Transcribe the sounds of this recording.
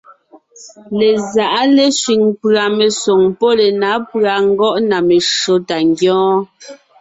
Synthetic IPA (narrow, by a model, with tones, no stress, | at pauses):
le˨za˨ʔa˦le˦ʃɥi˨ŋpɰa˨me˨so˨ŋpɔ˦le˨na˨˦pɰa˨ŋ̩˦ɡɔ˦ʔna˨me˨ʃo˨˦ta˨ŋɡjɔ̃ː˦